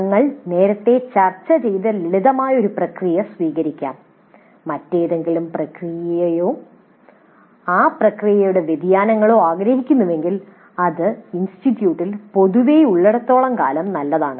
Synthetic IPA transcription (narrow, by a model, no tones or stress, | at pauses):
ɐŋːɐɭne̞ːɾɐt̪ːe̞t͡ɕɐrt͡ɕːɐt͡ɕe̞jðɐliɭiðɐmaːjɐo̞ɾuprɐkrijɐsʋiːɣɐɾikʲːa̰ːmː | ɐtːe̞jðe̞ŋɡilumprɐkrijɐjɐjoː | aːprɐkrijɐjuɽe̞ʋjed̪jaːnɐŋːɐɭo̞ːaːɡɾɐhikʲːunːɐʋe̞ŋɡil | ɐðɨinstitːjuːʈːilpo̞ðuʋeːjuɭːeɽɐt̪ːo̞ːɭɐmka̰ːlɐmnɐlːɐðaːɳɨ